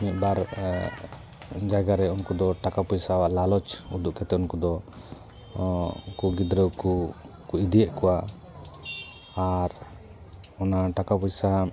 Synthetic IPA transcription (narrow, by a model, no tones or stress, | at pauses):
mit̪̚ˀbaɾ | d͡ʒaɡaɾɛunkud̪ɔʈakapujsawaʔlalɔt͡ʃud̪uʔkɛt̪ɛunkud̪ɔ | kuɡid̪ɾəwku | kuid̪ijəʔkɔwa | aɾ | ɔnaʈakapujsaɦam